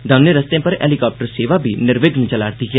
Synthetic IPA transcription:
d̪ʱɐmnəɾɐst̪eãpɐɾɛ̰ːlikɔːp̚ʈəɾseːʋabʱinɪɾʋeɡnət͡ʃɐlaːɾt̪ikja

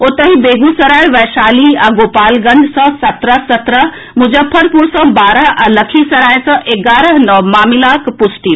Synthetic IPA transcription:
ot̪əɦibeːɡusɐɾaːeʋɛːʃaːliɛ̃ɡoːpaːlɡɐ̃ɲd͡ʒsɔ̃sɐt̪ɾəɦsɐt̪ɾəɦ | mʊd͡ʑəfʰəɾpuɾsɔ̃baːɾəɦɛ̃lɐkʰisɐɾaːjsɐ̃ʔeːɡaːɾəɦnɔmaːmilaːkpʊsʈi

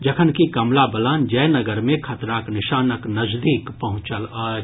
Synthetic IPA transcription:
d͡ʒɐkʰənkikɐmlabɐlaːnd͡ʒɐːnɐɡəɾmẽkʰɐt̪ɾaːknɪʃaːnəknɐzd̪iːkpɐɦʊ̃t͡ʃəl

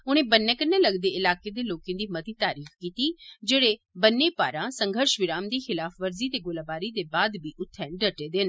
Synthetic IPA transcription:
ʊɽ̃ẽːbənːekəneləɡd̪eːɪlaːked̪eːloːkẽːd̪iːmət̪iːt̪aːɾiːxkiːt̪id͡ʒeːɽe | bənːepaːɾãsə̃ŋɡʱəɾʃʋɪɾaːmd̪iːxɪlaːfʰʋəɾzit̪eːɡʊləbaːɾid̪eːbaːd̪biːʔʊt̪ʰːɛ̃ːɖəʈeːd̪ɪn

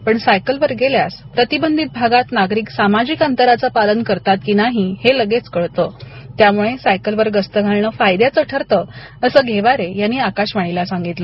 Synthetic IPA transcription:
pəɳsajkəlʋəɾɡeljaspɾət̪ibənd̪ʱit̪̚bʱaɡat̪naɡɾiːksamad͡ʑiːkant̪əɾat͡sapalənkəɾt̪at̪̚kinaɦiheləɡet͡skəɭt̪ot̪jamuɭesajkəlʋəɾɡəst̪əɡʱaɭɳəfajd̪jat͡səʈʰəɾt̪ə | əsəːɡʱeʋaɾejanːiakaɕʋaɽ̃ilasãŋɡit̪lə

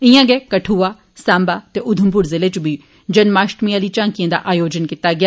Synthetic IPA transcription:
ɪjãːɡɛːkəʈʰuːaː | sãːmbaːt̪eːʔʊd̪ʱəmpʊɾzɪleːt͡ʃbiː | d͡ʒənmaːʃʈmijaːliːt͡ʃãːŋkɪjãːd̪a̰ːʔaːjoːd͡ʒənkɪt̪aːɡɪjaː

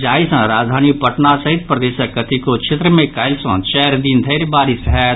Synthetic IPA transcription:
d͡ʒaːisə̃ɾaːd͡ʒd̪ʱaːnipəʈnasɐɦɪit̪̚pɾəd̪eːsəkːət̪ikot͡ʃʰɪt̪ɾəmẽkaːɪlsə̃t͡ʃɛːɾd̪iːnd̪ʱəɪɾbaːɾisɦɛ

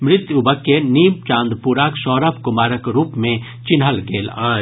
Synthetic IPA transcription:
mɾɪt̪ʊbəkːeniːm̚t͡ʃãːnd̪puɾaːkʃɔːɾapkʊmaːɾəkɾuːpmẽ | t͡ʃɪnɦəlɡeːlaː

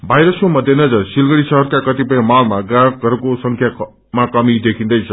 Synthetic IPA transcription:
bʱajɾʌskomʌd̪ʱjenʌd͡zʌrsilɡʌɽisʌɦʌɾkakʌt̪ipʌj̃malmaɡaɾɡʌɾukosʌŋkʰja | makʌmid̪ekʰĩnd̪ʌjt͡sʰʌ

